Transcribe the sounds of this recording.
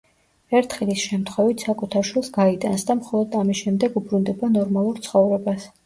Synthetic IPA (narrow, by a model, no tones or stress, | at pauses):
ɛɾt̪ʰχɛlisʃɛmt̪ʰχwɛvit̪ʰsakʼut̪ʰaɾʃwilˠsɡait̪ʼansd̪amχɔlˠɔd̪amisʃɛmd̪ɛɡubɾund̪ɛbanɔɾmalˠuɾt̪sʰχɔvɾɛbas